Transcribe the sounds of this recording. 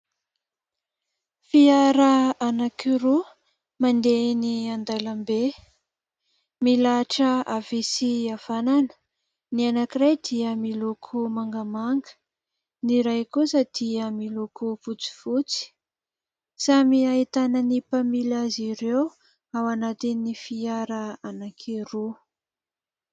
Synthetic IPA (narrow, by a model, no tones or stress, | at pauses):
fiaɾəanakiɾu | mand̪eniand̪alambe | milaʈ͡ʂəavisiav̥ananə̥ | nianakirajd̪iəmilukʰumaŋɡamaŋɡə̥ | niɾajkusəd̪̥iəmilukuput͡si̥v̥ut͡si̥ | samiait̪anənipamilaziɾew | awanat̪inːifiaɾəanakʰeɾu